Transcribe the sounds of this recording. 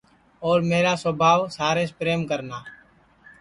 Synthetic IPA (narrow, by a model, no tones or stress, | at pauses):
ɔːɾmeːɾaːsʋəbʱaːʋsaːɾeːspɾeːmkəɾnaː